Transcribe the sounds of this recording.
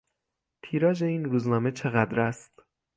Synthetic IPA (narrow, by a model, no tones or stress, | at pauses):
t̪ʰiːɾɒːd͡ʒe̞iːnruːznɒːme̞t͡ʃʰe̞ɣæd̪ɾæst̪